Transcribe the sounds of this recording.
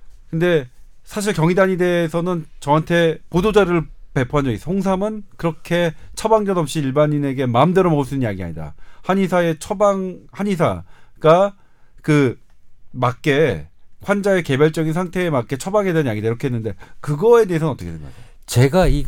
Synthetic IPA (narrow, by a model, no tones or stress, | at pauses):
kɯnde̞ | sʰaɕ̬ʰiɭkjʌŋidaɲide̞ːsʰʌnɯnt͡ɕʌɦantʰe̞podod͡ʑaɾɯɭpe̞pʰoɦand͡ʑʌɡis͈oŋsʰamɯnkɯɾʌkʰe̞t͡ɕʰʌbaŋd͡ʑʌdʌp̚ɕ͈iːɭbaɲine̞ɡe̞maɯmdɯɾʌmʌɡuɭs͈unɯnɲjaɡia̰ɲida̰haɲisʰae̞t͡ɕʰʌbaŋhaɲis̬ʰa̰ɡ̥a | kɯ | makk͈e̞ɸwand͡ʑaeke̞baɭt͡ɕ͈ʌɡinsʰaŋtʰe̞ːmak͈e̞t͡ɕʰʌbaŋedennjaɡidaiɾʌkʰeɦnːɯnde̞kɯɡʌe̞de̞es̬ʰʌnʌt͈ʌkʰedwenɡʌjo | t͡ɕe̞ɡai